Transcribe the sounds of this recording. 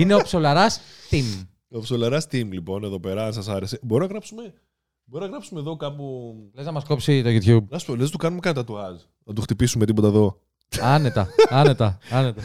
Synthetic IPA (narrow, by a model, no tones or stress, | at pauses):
ineopso̞lɐɾɐst̪im | opso̞lɐɾɐst̪imlipo̞neðo̞pe̞ɾɐɐnsɐsɐɾe̞se̞boɾunɐɣɾɐpsume̞ | boɾunɐɣɾɐpsumeðo̞kɐpuleznɐmɐsko̞psit̪o̞jut̪çub̚ɐslezt̪ukɐnumekɐt̪ɐt̪uɐz | nɐt̪uxt̪ipisumet̪ipo̞t̪ɐeðo̞ | ɐne̞t̪ɐɐne̞t̪ɐɐne̞t̪ɐ